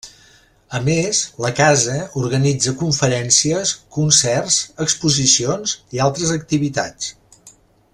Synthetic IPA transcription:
əmezləkazəuɾɣənid͡zəkuɱfəɾɛnsiəskunsɛrzəkspuzisionzialˠt̪ɾəzək̚t̪iβit̪a̰t͡s

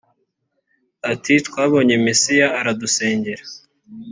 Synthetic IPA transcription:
atitkwaːβo̞ːɲe̞mesijaːɾaduse̞ːɲɟe̞ɾḁ

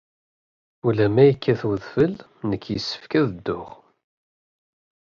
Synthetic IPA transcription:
ulæmæjəkːæθwəðfəl | nəkːjəsːə̥fkæðəd̪ːʊʁ

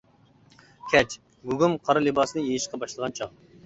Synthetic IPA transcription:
kʲʰɛt͡ʃ | ɡuɡumqʰɑɾɨlɨbɑsɨnɨjejiʃqʰɑbɑʃlˠəʁɑnt͡ʃʰɑχ

